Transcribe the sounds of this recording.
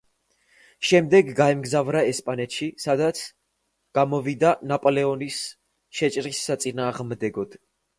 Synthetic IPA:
ʃɛmd̪ɛɡɡaɛmɡzavɾaɛspʼanɛt̪ʃisad̪at̪sʰ | ɡ̥amɔvid̪anapʼɔlɛɔnis | ʃɛt͡ʃʼɾisːat̪sʼinaːʁmd̪ɛɡɔd̪̥

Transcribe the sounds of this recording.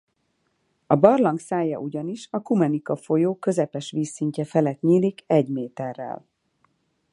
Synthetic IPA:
ɒbɒrlɒŋksaːjːɒ̰ʔuɟɒniʃɒkumɛnikɒfo̞joːkø̞zɛpɛʃʋiːsːiɲcɛfɛlɛt̪ɲiːlikɛɟmeːt̪ɛrːɛ̰l

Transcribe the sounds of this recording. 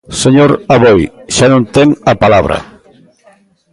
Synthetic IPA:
seɲoɾaβojʃanõnt̪eŋapalaβ̞ɾɐ̰

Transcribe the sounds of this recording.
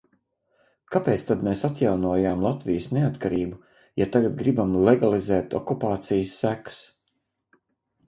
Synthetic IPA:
kapeːt̪st̪ad̪meːsat̪ʲjawnuɔjaːmlˠat̪vijəsneat̪kaɾiːbu | jat̪aɡad̪ɡɾibamlˠɛɡalˠizɛːt̪ɔ̰kupaːt̪sijsːæku̥s

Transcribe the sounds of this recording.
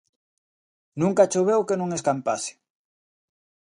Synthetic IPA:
nũŋkat͡ʃoβ̞ewkenõŋeskampase̥

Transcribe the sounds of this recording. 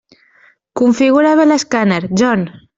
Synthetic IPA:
kuɱfiɣuɾaβeleskanaɾʒɔn

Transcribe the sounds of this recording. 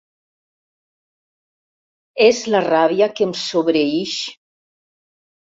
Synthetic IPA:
ezlaraβiakemsoβɾeiʃ

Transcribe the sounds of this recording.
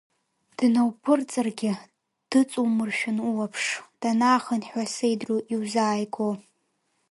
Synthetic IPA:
d̥nawpʰɨrt͡sʼɨrɡʲɪ | d̥ɨt͡sʼumɨrʃᶣʊnuwapʰʂd̥anaːχənħʷᶣasejdruʔiwzaːjɡo

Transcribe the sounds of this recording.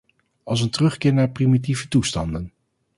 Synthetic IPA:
ɑlˠs̬əntərɵχkɪːɹnaːɹprimit̬ivətustɑndən

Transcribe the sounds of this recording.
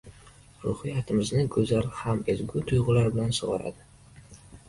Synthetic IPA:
ɾʊhɨjat̪ʰɪmɪznɪɡɵzalhamezɡʲʊt̪ʰʊjʁʊlaɾbɪlansoʁɑɾa̰d̪ɪ

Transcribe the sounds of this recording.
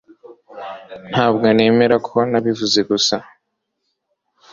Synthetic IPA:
n̥haːbɡone̞ːme̞ɾakʰuoanaβivuze̞ɡusa

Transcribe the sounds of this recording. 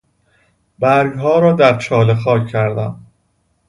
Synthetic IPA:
bæɾɡɦɒːɾɒːd̪æɾt͡ʃʰɒːlexɒːcʰːæɾd̪æm

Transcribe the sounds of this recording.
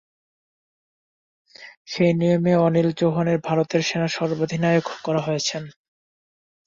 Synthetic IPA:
ʃejnijomeɔnild͡ʑoɦoneɾbʱaɾot̪eɾʃenaʃɔɾbod̪ʱinaoɡkɔɾaɦojet͡ɕʰen

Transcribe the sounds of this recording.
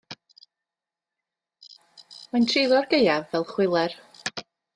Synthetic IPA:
mantʰriːlˠɔrɡejavːɛlˠχwɪlˠɛr

